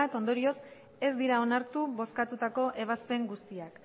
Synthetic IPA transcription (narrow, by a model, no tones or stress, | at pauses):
at̪o̞nd̪o̞ɾio̞s | e̞zd̪iɾao̞naɾt̪uβo̞skat̪ut̪ako̞ʔe̞β̞aspe̞ŋɡust̪iak